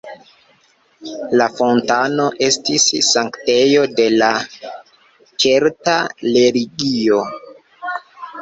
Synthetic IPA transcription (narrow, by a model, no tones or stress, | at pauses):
lafo̞ntano̞ʔe̞stisːaŋkte̞jo̞de̞la | t͡ʃe̞ɾtale̞ɾiɡio̞